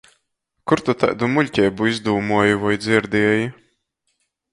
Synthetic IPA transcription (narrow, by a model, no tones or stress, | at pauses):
kuɾt̪ut̪a̰jd̪umulʲcʲɛjbuizd̪uːmuɔjivɔjd̪zʲiɾd̪ʲiɛji